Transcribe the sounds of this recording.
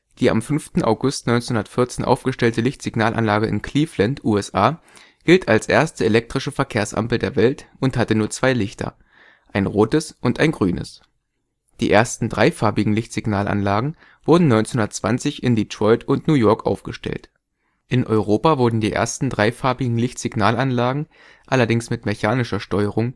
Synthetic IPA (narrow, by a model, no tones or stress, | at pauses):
d̥iːʔa̰mfʏnftn̩ʔa̰ʊɡʊstnɔʏnt͡senhʊndɐtfɪɐt͡seːnʔa̰ʊfɡ̥əʃtɛltəlɪçtz̥ɪɡnaːlʔa̰nlaːɡəʔɪ̰nkʰl̥iːflantʰʔuːɛsʔaː | ɡ̥ɪltʰalsʔḛːɐstəelɛk̚tʁ̥ɪʃəfɛɐkʰeːɐsʔa̰mpl̩deːɐvɛltʊnthatənuːɐt͡sv̥aɪlɪçtɐ̰ | ʔaɪnʁoːtəsʔʊntʔaɪnɡʁyːnə̰s | d̥iːʔeːɐstn̩dʁaɪfaɐbɪɡŋ̩lɪçtz̥ɪɡnaːlʔa̰nlaːɡŋ̩ | v̥ʊɐdn̩nɔʏnt͡snhʊndɐt͡sv̥ant͡sɪçɪndiːtʁ̥ɔʏtʰʊntnuːjɔɐkʔa̰ʊfɡ̥əʃtɛ̰lt | ʔɪnʔɔ̰ʏʁoːpavʊɐdn̩diːʔḛːɐstn̩dʁaɪfaɐbɪɡŋ̩lɪçtz̥ɪɡnaːlanlaːɡŋ̩ | ʔalɐdɪŋsmɪtmeçaːnɪʃɐʃtɔʏəʁ̞ʊŋ